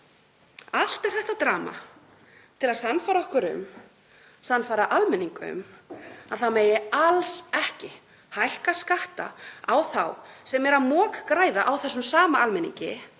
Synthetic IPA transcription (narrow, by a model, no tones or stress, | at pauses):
al̥t̪ɛɾ̥θɛht̪at̪ɾaːma̰ | t̪ʰɪlaðsanfaːɾaɔhkʏɾʏ̰m | sanfaːɾaʔalmɛniŋkʏ̰maðθameːjɪalsɛhcɪ | hajhkaskaht̪a̰awθa̰wsɛmɛɾamɔːkkɾaːjðaʔawθɛsːʏmsaːmaalmɛnḭɲcɪ̰